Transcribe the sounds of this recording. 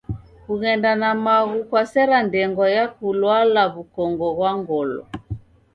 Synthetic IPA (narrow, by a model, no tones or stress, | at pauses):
kuɣɛndanamaɣukwasɛɾandɛŋɡɔjakulwalaβukɔŋɡɔɣwaŋɡɔlɔ̰